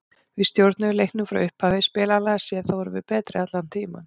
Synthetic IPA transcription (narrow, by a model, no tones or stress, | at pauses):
vɪðst̪jowɾt̪nʏlejhknʏfɾa̰wʏhphavespɪːlalɛːɣsjɛðθawɛɾʏvɪ̰ðpɛːt̪ɾɪat̪lan̥t̪ʰiːma̰n